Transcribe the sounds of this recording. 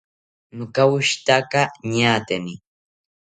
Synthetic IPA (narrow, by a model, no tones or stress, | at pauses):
nʊkawʊʃt̪akaɲaːt̪eni